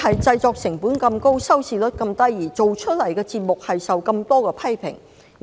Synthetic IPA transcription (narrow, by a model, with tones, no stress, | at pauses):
hɐ˨jt͡sɐ˧jt͡sɔː˧k̚sɪ˨˩ŋpuː˨˥nkɐ˧mko˥wsɐ˥wsiː˨lɵ˥t̚kɐ˧mt̪ɐ˥jːiː˨˩t͡so˨wt͡ʃʰɵ˥t̚lɐ˨˩jkɛː˧t͡siː˧t̚mʊ˨k̚hɐ˨jsɐ˨wkɐ˧mt̪ɔː˥kɛː˧pʰɐ˥jpʰɪ̰˨˩ŋ˨